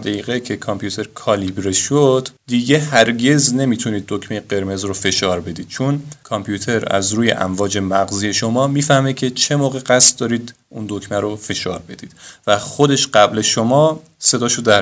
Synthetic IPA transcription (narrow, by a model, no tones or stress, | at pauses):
d̪æjiːɣecʰekʰɒmpʰjut̪ʰe̞ɾkʰɒːlibɾeʃod̪̥d̪iɟehæɾɟe̞zne̞miːt̪ʰuniːd̪̚ːocmejeɢe̞ɾme̞zɾofe̞ʃɒːɾbe̞d̪iːd̪̥̚t͡ʃʰonkʰɒmpʰjuːt̪ʰe̞ɾæ̰zɾuːjḛʔæ̰mvɒːd͡ʒe̞mæɡziːjeʃo̞mɒːmiːfæhmecʲʰe̞t͡ʃʰe̞mɒːɣe̞ɢæst̪̚d̪ɒːɾiːd̪ | und̪okʰmæɾofe̞ʃɒːɾbe̞d̪̥iːd̪̥væxod̪e̞ʃɢæbleʃomɒː | se̞d̪ɒːʃod̪æ